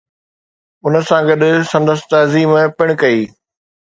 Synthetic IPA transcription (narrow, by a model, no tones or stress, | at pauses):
ʊnəsãɡɐɗsɐ̃nd̪əst̪ɐziːmpɪɽ̃kɐiː